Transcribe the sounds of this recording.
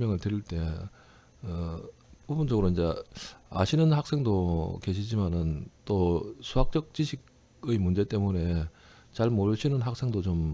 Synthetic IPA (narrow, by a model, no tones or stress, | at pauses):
mjʌŋɯɭtɯɾiɭt͈e̞ | ʌpobunt͡ɕ͈oɡɯɾoind͡ʑe̞a̰ɕʰinɯnhak̚s͈e̞ŋdoke̞ɕʰid͡ʑimanɯnt͈osʰuɦak̚t͡ɕ͈ʌk̚t͡ɕ͈iɕʰiɡ | ɯimund͡ʑe̞t͈e̞mune̞ | t͡ɕaɭmoɾɕʰinɯnɦak̚s͈e̞ŋdot͡ɕom